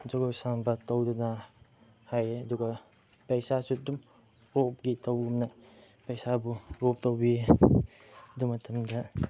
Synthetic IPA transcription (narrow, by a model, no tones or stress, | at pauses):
d͡ʒɔɡawsambatawduna | hajɐduɡa | pejsasudum | ɔp̚ɡitawɡumna | pejsabuɾɔp̚tawbi | dumɐtʰɐmda